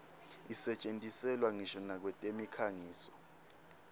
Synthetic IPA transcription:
isɛt͡ʃʼentʼisɛlwaŋiʃɔnak̬wɛtʼemikʰaŋiːsɔ̥

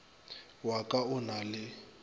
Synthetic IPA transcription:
wakʼaʊnalɪ

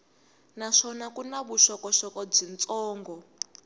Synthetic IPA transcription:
naʂɔnakunaβuʃɔkɔʃɔkɔb͡ʐint͡sʼɔːŋɡɔ

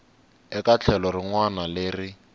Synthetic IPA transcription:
ɛkat͡ɬʰɛlɔriŋwanaleːrɪ

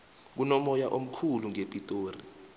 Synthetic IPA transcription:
k̬unɔmɔjaʔom̩kʰuluŋepʼitʼoːri

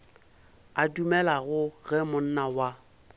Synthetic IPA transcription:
adumɛlaɣʊɣɛmʊn̩nawa

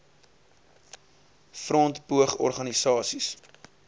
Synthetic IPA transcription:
frɔntbuəχɔ̰rχɐnisɑːsis

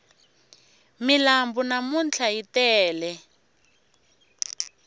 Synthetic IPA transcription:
milambunamunt͡ɬʰajitɛːlɛ

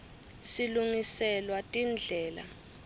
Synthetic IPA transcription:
siluŋisɛlwatʼind͡ɮʱɛːla̰

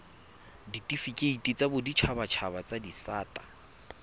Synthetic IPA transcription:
ditʼifikʼeitʼit͡sʼabʊdit͡ʃʰabat͡ʃʰabat͡sʼadisaːtʼa

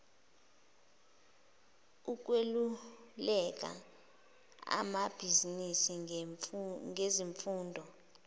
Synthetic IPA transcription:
uk̬ʼwelulɛk̬ʼa̰ | a̰mab̥ʱizinisi | ŋʱeziɱfuːndʱɔ

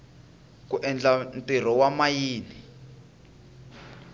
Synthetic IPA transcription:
kuʔɛnd͡ɮantʼir̤ɔwamajiːni

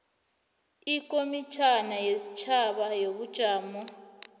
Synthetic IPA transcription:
ikʼomit͡ʃʰanajesit͡ʃʰaɓajoβud̥ʒ̥ʱaːmɔ

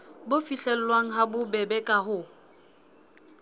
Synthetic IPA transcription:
bʊfiɬɛl̩waŋ̩ɦabʊbɛbɛkʼaɦʊ

